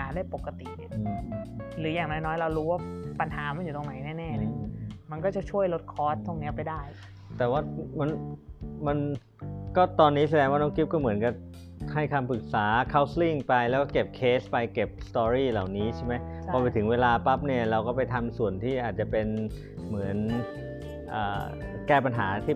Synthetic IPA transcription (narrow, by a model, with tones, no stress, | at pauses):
aː˩˦ndaː˥˩jpo˨˩ka˧t̪i˨˩ | ɯː˧˩ɾɯː˩˦jaː˨˩ŋnɔː˦˥jnɔː˦˥jɾa˧wɾuː˦˥waː˥˩pa˧nhaː˩˦ma˧njuː˨˩t̪o˧ŋna˩˦jnɛː˥˩nɛː˥˩˨ma˧nkɔː˥˩t͡ɕa˨˩t͡ɕʰu˥˩əjlo˦˥t̪̚kʰɔː˦˥st̪ʰːu˧˩ni˦˥˩pa˧jdaː˥˩j | t̪ɛː˨˩waː˥˩ma˧nma˧n | kɔː˥˩t̪ɔː˧nːiː˦˥sa˧dɛː˧ŋwaː˥˩nɔː˥˩ŋkʰi˦˥p̚kɔː˥˩mɯ˩˦ənka˧˩ | ha˥˩jkʰaː˧mpɯ˨˩k̚saː˩˦kʰa˦˥˩wsli˥˩ŋpa˧jlɛ˦˥wkɔː˥˩ke˨˩p̚kʰeː˦˥spa˧jke˨˩p̚st̪ɔː˧ɾiː˥˩la˨˩wniː˦˥t͡ɕʰa˥˩ma˦˥jpʰɔː˧pa˧jt̪ʰɯ˩˦ŋweː˧laː˧pa˦˥p̚ni˥˩ɐɾa˧wkɔː˥˩pa˧jt̪ʰa˧msu˨˩ənt̪ʰiː˥˩ʔaː˨˩t͡ɕa˨˩pe˧n | mɯ˩˦ən | ʔə̰ː˨˩ | kɛː˥˩pa˧nɦaː˩˦t̪ʰiː˥˩